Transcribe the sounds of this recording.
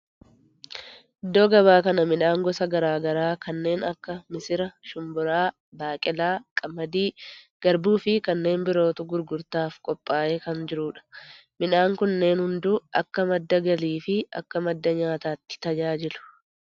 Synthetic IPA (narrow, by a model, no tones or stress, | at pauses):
ʔɪd̪ːoːɡɐbaːkɐnɐmɪᶑaːŋɡɔsɐɡɐɾaːɡɐɾaːkɐnːe̞ːnɐkːɐmɪsɪɾɐʃʊmbʊɾaː | baːkʼɪlaːkʼɐmːɐd̪iː | ɡ̥ɐɾbuːfɪkɐnːe̞ːmbɪɾo̞ːt̪ʊɡʊɾɡʊɾt̪aːfkʼɔpʼːaːʔeːkɐnd͡ʒɪɾʊːᶑɐ̥ | mɪᶑaːŋkʊnːe̞ːnhʊnd̪ʊʔɐkːɐmɐd̪ːɐɡɐliːfɪɐ̰kːɐmɐd̪ːɐɲaːt̪aːt̪ːɪ̥t̪ɐd͡ʒaːd͡ʒɪlʊ̥